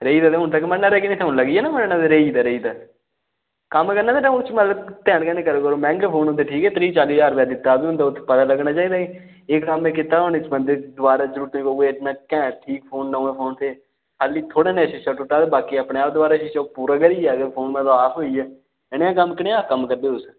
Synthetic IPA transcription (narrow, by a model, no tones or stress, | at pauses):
ɾəiːd̪aːt̪eːɦʊnt̪aːk̬ːmənaːɾeːkiniːt̪ʰeʊnləɡiɛːnamənːnãːd̪eɾeːiːd̪aːɾeiːd̪aː | kəmkəɾnaːd̪eːʈãʊt͡ʃmət̪ləbt̪ɛ̃ːɽɡãːnẽːkəɾoːkəɾoːmɛ̃ːŋɡepʰoːnʊ̃nt̪eːʈʰiːkɛːt̪ɾiːt͡ʃaːliːd͡ʒaːɾbjaːd̪ɪt̪ːaːbiːɦʊ̃nd̪aːʊt̪ʰːepət̪aːləɡnaːt͡ʃaːiːd̪aːiː | ekkəmeːkɪt̪aːɦoːneːt͡ʃbənd̪eːd̪ʊaːɾaːd͡ʒəɾuːɾt̪ːikoːeːnaːkɛ̃ːʈʰiːkpʰoːnːəːẽːpʰoːnt̪ʰeː | haːliːt̪ʰoːɽeːnɛːʃɪt͡ʃaːʈʊʈːaːt̪eːbaːkiːapɽeːaːp̚d̪ʊaːɾaːʃɪt͡ʃaːpuːɾaːɡəɾiːɛːɡəpʰoːnmət̪laaːpɦoːiːɛː | ɪɽeãːkəmkɪnːãːkəmkəɾd̪eːʊs